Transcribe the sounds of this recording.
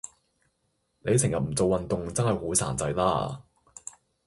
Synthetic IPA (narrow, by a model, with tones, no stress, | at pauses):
ne˨˧jsʰɪ˨˩ŋjɐ˨t̚m̩˨˩t͡so˨wɐ˨nt̪ʊ˨ŋt͡sɐ˥nhɐ˨jhoː˨˥sʰa̰ː˨˩nt͡sɐ˧jlaː˥